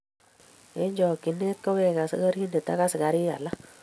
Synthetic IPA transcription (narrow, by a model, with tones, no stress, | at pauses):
e˦ɲd͡ʒɔ˨ki˨ne˦t̚kɔ˦we˦˨ka˨sɪ˦ɡa˦ɾi˦ne˨ta̰˦ka˦sɪ˨ɡa˨ɾi˦ja˨la˦